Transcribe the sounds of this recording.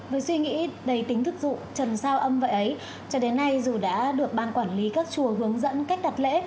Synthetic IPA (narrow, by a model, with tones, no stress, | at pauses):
vəː˨˦jswi˧ŋḭ˧˥ɗə˨˧˩jt̪ï˨˦ŋ̟t̪ʰɨ˨˩k̚zṵ˧˨t͡ɕə˨˩nsaː˧wʔə˧mvə̰˧˨jʔə˨˦j | t͡ɕɔ˧ɗe˨˦nːa˧jzu˨˩ɗa̰ː˧˥ɗɨ˨˩ək̚ɓaː˧˩nkwaː˧˩nli˨˦kaː˦˥k̚t͡ɕu˨˩əɦɨ˨˦əŋzə̰˧˥nka˦˥jk̟̚ɗa˨˩t̚lḛ˧˥